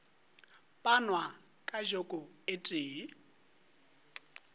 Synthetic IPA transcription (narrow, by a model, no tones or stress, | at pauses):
pʼanwa | kʼaʒokʼɔetʼiːi